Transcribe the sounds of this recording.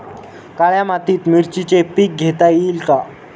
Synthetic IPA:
kaɭjamat̪iːt̪miɾt͡ɕit͡ɕepiːk̚ɡʱet̪ajilka

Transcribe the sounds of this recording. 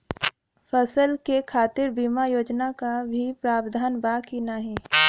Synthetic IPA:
fʰəsəlkekʰaːt̪ɪɾbiːmajoːd͡ʒnakabʱipɾaːbd̪ʱaːnbaːkinaɦĩː

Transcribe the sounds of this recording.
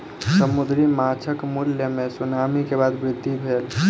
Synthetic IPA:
səmʊd̪ɾimaːt͡ʃʰəkmʊljəmẽsʊnaːmikebaːd̪bɾɪd̪ʱːibʱeːl

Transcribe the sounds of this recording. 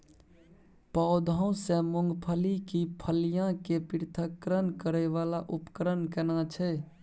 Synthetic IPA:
paʊd̪ʱəũsẽmuŋɡpʰəlikipʰəlijãkepiɾt̪ʰəkːɾənkəɾɛʋalaʔupə̥kəɾənkɛnat͡ʃʰɛ

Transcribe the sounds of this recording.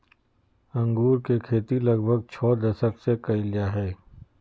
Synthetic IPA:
ɐ̃ŋɡuːɾkekʰeːt̪ilɐɡbʱəɡ̚t͡ʃʰɔːd̪ɐsəksekɐilijaɦɛː

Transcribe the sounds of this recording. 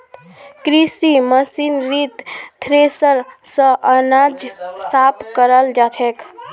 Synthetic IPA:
kɾisiməsinɾit̪ːʰɾesəɾsə̃ʔənad͡ʒsapkəɾəld͡ʒat͡ʃʰɛk

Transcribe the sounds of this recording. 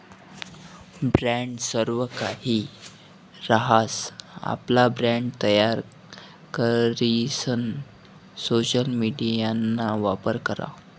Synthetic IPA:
bɾæ̃ɳɖsəɾʋəkahi | ɾaɦasa̰plabɾæ̃ɳɖt̪əjaɾ | kəɾisən | soɕəlmiɖijanːaʋapəɾkəɾa̰

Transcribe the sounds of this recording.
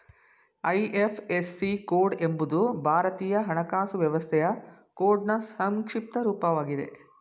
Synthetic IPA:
ɐjʔepʰesːikoːɾɖembud̪ubʱaːɾɐt̪iːjɐɦɐɳɐkaːsuʋjɐʋɐst̪ʰɛjɐ | koːɾɖnɐsɐŋkʂip̚t̪ɐɾuːpɐʋaːɡid̪e̞̰

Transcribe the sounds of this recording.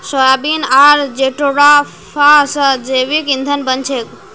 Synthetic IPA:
səjabinaɾd͡ʒeʈoɽa | fasəd͡ʒeʋikind̪ʱənbənt͡ʃʰek

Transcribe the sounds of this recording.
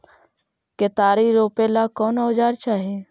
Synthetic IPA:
ket̪aːɾiɾoːpelakɔːnaʊd͡ʒaːɾt͡ʃaːɦe

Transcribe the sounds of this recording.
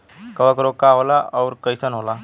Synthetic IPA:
kəʋəkɾokaɦolaʔɔwɾkəjsənɦola

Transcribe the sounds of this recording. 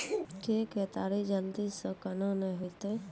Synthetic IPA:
kekeːt̪aːɾid͡ʒəld̪isəkənãnəɦot̪e

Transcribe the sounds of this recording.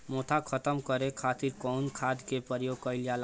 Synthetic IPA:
mot̪ʰakʰət̪əmkəɾekʰat̪iɾkɔnkʰad̪kepəɾjoɡ̚kʌɪljal

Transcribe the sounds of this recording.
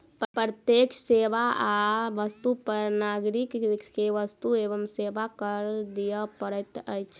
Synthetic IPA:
pɾət̪jekseʋaaʋəst̪upəɾnaɡɾikkeʋəst̪ueʋəmseʋakəɾd̪ijəpəɾət̪əjt͡ʃʰ

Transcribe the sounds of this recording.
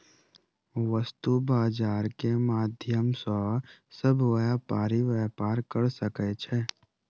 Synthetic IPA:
ʋəst̪ubaːd͡ʒaːɾkemaːd̪ʱjəmsɔsəbʋɛpaːɾiʋɛːpaːɾkəɾsəket͡ʃʰɛ

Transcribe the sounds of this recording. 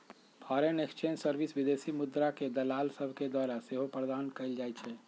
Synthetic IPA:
pʰɔɾenekst͡ʃensəɾbisʋid̪esimud̪ɾaked̪əlaːlsəbʱked̪waɾaseɦopɾəd̪ankəɪld͡ʒajt͡ʃʰɛ

